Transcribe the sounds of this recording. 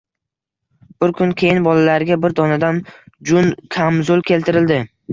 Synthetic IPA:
b̥ʊɾkʰʊnkʲʰe̞jɪnbɒlalaɾɡʲabɪɾd̪ɒnad̪an | d͡ʒʊnkʲʰamzʊlˠkʲʰe̞lt̪ʰɪɾɪld̪ɪ

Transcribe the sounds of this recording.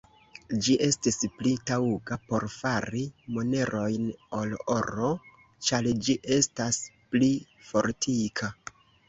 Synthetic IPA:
d͡ʒiʔe̞stisplitauɡapo̞ɾfaɾimo̞ne̞ɾʔo̞jnoloɾo̞ | t͡ʃaɾd͡ʒiʔe̞staspli | fo̞ɾtʰikʰa

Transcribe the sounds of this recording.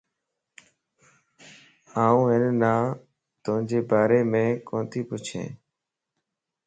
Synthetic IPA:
aːũːɦɪnnaː | t̪ʊɦɪ̃ɲd͡ʒeːbaːɾeːmẽːkõːt̪ʰiːpʊt͡ʃʰḛ̃ː

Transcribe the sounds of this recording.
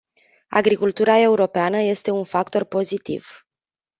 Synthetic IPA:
a̰ɡɾikult̪uɾae̞uɾo̞peanəje̞st̪e̞unfakt̪o̞rpo̞zit̪ḭv̥

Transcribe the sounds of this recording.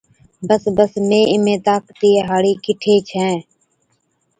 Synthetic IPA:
bəsbəsmẽːɪmẽːt̪aːkt̪iːeːɦaːɽiːkɪʈʰeːt͡ʃʰɛ̃ː

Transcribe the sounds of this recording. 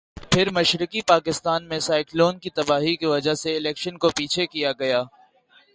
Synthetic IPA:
pʰɪɾmɐʃɾɪkipaːkɪst̪aːnmẽsaːɪkloːnkit̪ɐbaːɦikiʋɐd͡ʒaseɪlɛːkʃənkopiːt͡ʃʰekijaɡɐjaː

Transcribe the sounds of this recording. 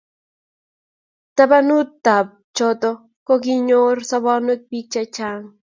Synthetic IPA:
t̪abanut̪ːap̚ | t͡ʃot̪o | koɡiɲoɾsaβanʊk̪̚pit͡ʃat͡ʃaŋ

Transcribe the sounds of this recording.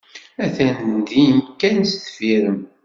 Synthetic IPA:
æθænd̪inkːænsθfiɾəm

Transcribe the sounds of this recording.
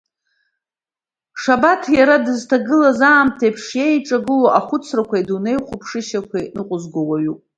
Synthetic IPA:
ʂabatʰjaɾadɨztʰaɡɨlazaːmtʰejpʰʂjejʈ͡ʂʼaɡɨloʔaχʷʊt͡sʰrakʷʰaidune̞jχʷʊpʰʂɨʃakʷʰajnɨqʷʼʊzɡʷowaɥupʼ

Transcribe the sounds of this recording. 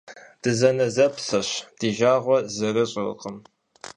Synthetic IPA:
d̥ɨzɐnɐzɐpsɐɕd̥iːʒaːʁʷɔzɨɾɨɕʼɪrɨ̰qəm

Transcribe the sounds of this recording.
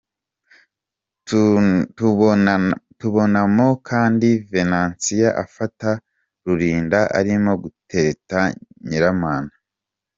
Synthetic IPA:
tuβo̞namo̞kʰaːndive̞naːnsijaʔafata | ɾuɾiːndaʔa̰ɾimo̞ɡutʰe̞ɾetaɲiɾamaːna

